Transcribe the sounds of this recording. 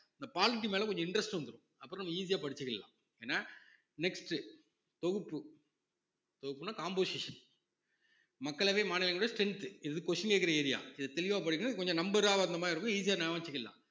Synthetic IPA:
ɪnd̪ɐpaːlɪʈ̬ːimeːlɐkɔɲd͡ʒɔ̃ɪɳɖɾɐsʈɯʋɐnd̪ɯɾõ̰ɐpːɾ̃nɐmːɐiːs̬ɪjaːpɐɽɪt͡ʃːɯkːɐlːã̰ː | eːnːaː | nɛksʈɯ | t̪ɔɣɯpːɯ | t̪ɔɣɯpːɯnaːkaːmboːsɪʂɐn | mɐkːɐɭʋeːmaːnɪlɐŋɡɭʊɽijɐsʈɛɳt̪ɯɪððɯkɔʂɐnkeːkːɪɾɐeːɾɪja̰ːɪðɐt̪ɛlɪʋaːpɐɽɪkːɐnɐðɯkɔɲd͡ʒɔ̃nɐmbɐɾaːʋɐnd̪ɐmaːɪɐɾɯkːɯiːs̬ɪjaːnɛʋaːɲt͡ʃːɯkːɐlːã̰ː

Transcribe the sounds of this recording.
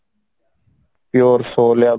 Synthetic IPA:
pjoːɾsoːljaː

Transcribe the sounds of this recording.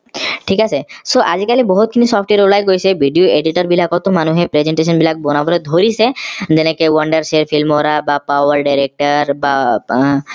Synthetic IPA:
ʈʰikasʰesoʔad͡ʑikalibɔɦut̪kʰinisɔpʰʈeeɾolajɡojsebʱiɖijoeɖiʈɔɾbilakɔt̪omanuɦepɾed͡ʑeɳʈes̬ɔnbilak̚bɔnabɔled̪ʱoɾised͡ʑenekewɔɳɖəɾseɾfʰilmoɾabapawaɾɖajɾek̚ʈaɾba

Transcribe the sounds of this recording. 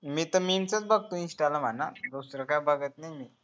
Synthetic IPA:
miːt̪əmint͡sət͡sbəɡ̚t̪ũĩnsʈaləm̤anad̪usɾəkajbəɡət̪najmiː

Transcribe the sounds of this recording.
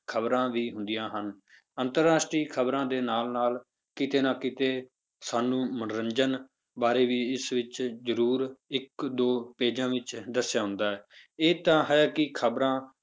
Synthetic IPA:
kʰəbɾãːʋiːɦʊ̃nd̪ijãːɦən | ənt̪əɾːaːsʈɾiːkʰəbɾãːd̪eːnaːlnaːl | kɪt̪eːnãːkɪt̪eː | saːnũːmənɾəɲd͡ʒən | baːɾeːʋiːɪsʋɪt͡ʃzəɾuːɾɪkd̪oːpeːd͡ʒãːʋɪt͡ʃd̪əsːjaːɦʊ̃nd̪aːɛːeːt̪ãːɦɛkɪkʰəbɾãː

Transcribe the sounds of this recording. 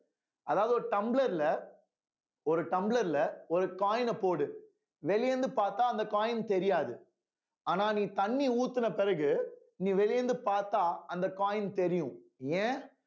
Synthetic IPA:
ɐðaːʋɐðɯɔɾɯʈɐmbɭɐɾɪlɐ | ɔɾɯʈɐmbɭɐɾɪlɐɔɾɯkaːjɪnɐpoːɽɯ | ʋɛlɪjɛnd̪ɯpaːɾt̪aːɐnd̪ɐkaːjɪnt̪ɛɾɪjaːðɯ | aːnaːniːt̪ɐɳːiuːt̪ːɯnɐpɪɾɐɣɯ | niːʋɛlɪjɛnd̪ɯpaːɾt̪aːɐnd̪ɐkaːjɪnt̪ɛɾɪjʊ̃ẽː

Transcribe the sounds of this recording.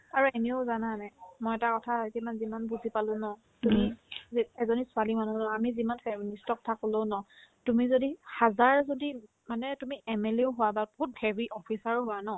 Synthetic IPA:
aɹuemiozananamɔjɛtakɔtʰaitimanzimanbuzipalʊ̃nɔ | tumi | ɛzɔnisʊalimanũnɔamizimanfɛministɔk̚tʰakoloʊnɔtumizodihazaɹzodi | manɛtumiʔɛmeleʊɦʊwababoɦut̚hɛbiʔɔpʰisaɹʊɦʊwanɔ

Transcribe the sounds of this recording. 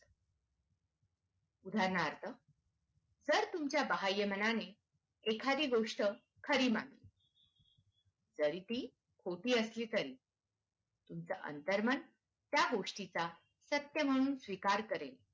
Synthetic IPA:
ud̪ʱaɾnaɾt̪ʰə | d͡zəɾt̪umt͡ɕjabəɦajəmənane | ekʰad̪iːɡoʂʈə | kʰəɾiːmaŋli | d͡zəɾit̪iː | kʰoʈiːəsliːt̪əɾiː | t̪umt͡səʔə̰nt̪əɾmən | t̪jaɡoʂʈit͡sa | sət̪jəm̤əɽ̃uːnsʋikaɾkəɾel

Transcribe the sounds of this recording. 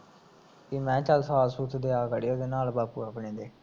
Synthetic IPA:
kimɛ̃ːt͡ʃəlsaːlsuːt̪d̪eːaːkəɽeoːd̪eːnaːlbaːpuːapɳeːd̪eː

